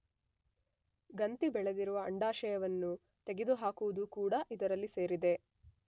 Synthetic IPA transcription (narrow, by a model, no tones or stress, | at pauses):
ɡɐnt̪ibɛɭed̪iɾuʋɐːɳɖaːʃɐjɐʋɐnːu | t̪eɡed̪uɦaːkuʋud̪ukuːɽɐʔid̪ɐɾɐlːise̞ːɾid̪e̞